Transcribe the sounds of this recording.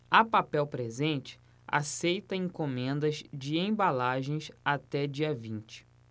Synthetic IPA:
ɐpapɛwpɾezẽnt͡ʃɪ̥ | a̰sejt̪ɐẽŋkomẽnd̪ɐzd͡ʒɪẽbalaʒẽj̃sat̪ɛd͡ʒiɐvĩnt͡ʃɪ̥

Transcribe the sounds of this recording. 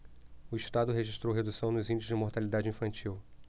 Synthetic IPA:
ʊiʃt̪ad̪ʊɦeʒiʃt̪ɾowɦed̪usɐ̃w̃nʊzĩnd͡ʒɪsʊzd͡ʒɪmoɾt̪alid̪ad͡ʒɪĩfɐ̃nt͡ʃiw

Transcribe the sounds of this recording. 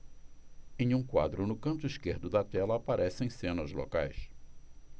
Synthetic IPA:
ẽj̃ũkwa̰d̪ɾʊnʊkɐ̃nt̪ʊiskeɾd̪ʊd̪ɐt̪ɛlɐːpaɾʔɛsẽj̃sẽnɐzlo̰kajs

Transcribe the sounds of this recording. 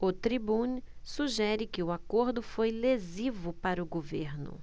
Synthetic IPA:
ʊt̪ɾibũnsuʒɛɾɪkɪʊakoɾd̪ʊfojlezivʊpaɾɐʊɡoveɾnʊ̰

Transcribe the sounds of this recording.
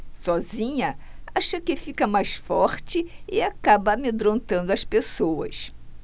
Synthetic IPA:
sɔzĩɲɐaʃɐkɪfikɐmajsfɔɾt͡ʃɪɪakabɐːmed̪ɾõnt̪ɐ̃nd̪ʊɐspesowɐ̰s

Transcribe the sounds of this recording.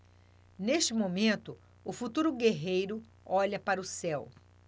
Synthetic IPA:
neʃt͡ʃɪmomẽnt̪ʊ | ʊfut̪uɾʊɡeɦejɾʊ | ɔʎɐpaɾɐʊsɛw

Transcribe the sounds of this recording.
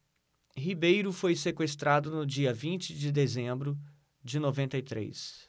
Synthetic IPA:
hibejɾʊfojsekwest̪ɾad̪ʊnʊd͡ʒiɐvĩnt͡ʃɪd͡ʒɪd̪ezẽmbɾʊ | d͡ʒɪnovẽnt̪ɐit̪ɾḛjs

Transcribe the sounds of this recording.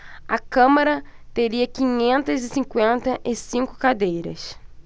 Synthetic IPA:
ɐkɐ̃maɾɐt̪eɾiɐkĩɲẽnt̪ɐzɪsĩŋkwẽnt̪ɐʔɪsĩŋkʊ̥kad̪ejɾɐ̰s

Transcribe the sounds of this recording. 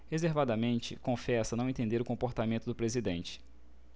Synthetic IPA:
hezeɾvad̪ɐmẽnt͡ʃɪkõfɛsɐnɐ̃w̃ẽt̪ẽnd̪eɾʊkõmpoɾt̪amẽnt̪ʊd̪ʊpɾezid̪ẽnt͡ʃɪ̥

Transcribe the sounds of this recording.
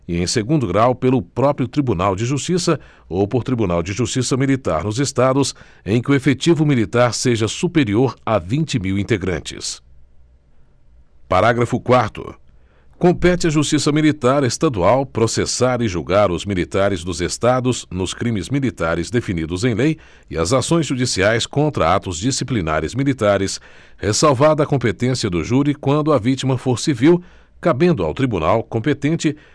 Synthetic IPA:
ɪẽj̃seɡũnd̪ʊɡɾawpelʊpɾɔpɾiʊt̪ɾibunawd͡ʒɪʒust͡ʃisɐ | owpoɾt̪ɾibunawd͡ʒɪʒust͡ʃisɐmilit̪a̰ɾnʊzest̪ad̪ʊs | ẽj̃kɪʊefet͡ʃivʊmilit̪aɾseʒɐsupeɾioɾavĩnt͡ʃɪmiwĩnt̪eɡɾɐ̰̃t͡ʃɪ̰s | paɾaɡɾɐfʊkwaɾt̪ʊ̰ | kõmpɛt͡ʃɪɐʒust͡ʃisɐmilit̪aɾest̪ad̪uawpɾosesaɾɪʒuwɡaɾʊzmilit̪aɾɪzd̪ʊzest̪ad̪ʊznʊskɾĩmɪzmilit̪aɾɪzd̪efinid̪ʊzẽj̃lej | ɪɐ̰zasõj̃zʒud͡ʒisiajskõnt̪ɾɐ̰at̪ʊzd͡ʒisiplina̰ɾɪzmilit̪aɾɪs | hesawvaɾd̪ɐkõpet̪ẽsiɐd̪ʊʒuɾikwɐ̃nd̪ʊɐvit͡ʃimɐfoɾsiviw | kabẽnd̪ʊa̰wt̪ɾibunawkõmpet̪ẽnt͡ʃɪ

